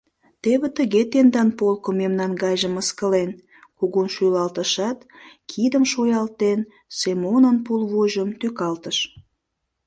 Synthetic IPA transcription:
t̪eβə̆t̪əɣet̪end̪ɑnpolkomemnɑnɡɑjʒəməskəlen | kuɣunʃyjlɑlt̪əʃɑt̪kʰid̪əmʃojɑlt̪en | semonənpulβoʒəmt̪økɑlt̪əʃ

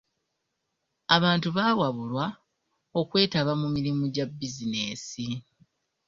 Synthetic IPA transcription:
aβaːntuβaːwaβulwa | o̞kwe̞ːtaβamumiɾimuɟabːizine̞ːsi

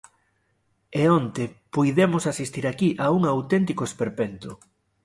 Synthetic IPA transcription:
eɔnt̪epujðemʊsasist̪iɾakiʔauŋawt̪ent̪ikoespeɾpent̪ʊ

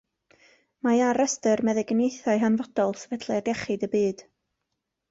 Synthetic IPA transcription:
majaɾəstərmɛðɨɡnejθaɨɦanvɔd̥ɔlˠsvɛdʰlˠaadɛχɨdəbɨːd̥

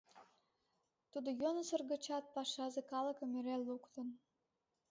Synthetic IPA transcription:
t̪ud̪ojonəsərɣə̆t͡ɕɑt̪̚pɑʃɑzekɑlə̆kə̆meɾelːukt̪ə̆n

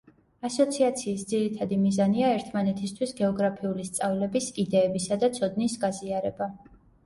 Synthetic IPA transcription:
asɔt̪sʰiat̪sʰiːsd̪ziɾit̪ʰad̪imizaniaɛɾt̪ʰmanɛt̪ʰist̪ʰwisɡɛɔɡɾapʰiulist̪sʼavlɛbisid̪ɛːbisad̪at̪sʰɔd̪nisɡaziaɾɛba

